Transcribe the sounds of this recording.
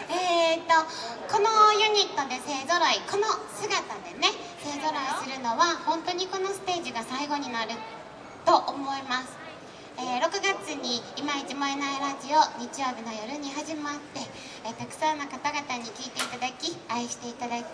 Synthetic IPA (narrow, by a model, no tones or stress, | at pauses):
eːt̪o̞ko̞nojɯ̟ɲ̟it̪ːo̞d̪e̞se̞ːzo̞ɾoiko̞no̞sɨɡat̪ad̪e̞ne̞ | se̞ːzo̞ɾoisɨɾɯ̟no̞βahõ̞nt̪o̞ɲ̟iko̞no̞sɨ̥t̪e̞ːʑiɡasaiɡo̞ɲ̟inaɾɯ̟ | t̪o̞ʔomo̞imasɨ̥ | eːɾo̞kɯ̟ɡat͡sɨɲ̟iːmait͡ɕimoenaiɾaʑio̞ɲ̟it͡ɕijo̞ːbʲino̞jo̞ɾɯ̟ɲ̟iɦaʑimat̪ːe̞ | t̪akɯ̟̥saːnakat̪aɡat̪aɲ̟ikʲiːt̪e̞it̪ad̪akʲiaiɕi̥t̪e̞it̪ad̪ait̪